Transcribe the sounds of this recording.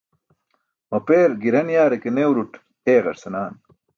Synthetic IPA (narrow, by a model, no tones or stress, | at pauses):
mɐpeːɾɡiɾɐnjaːɾekenewɾuʈ | eːɣɐ̰ɾsɐnaːn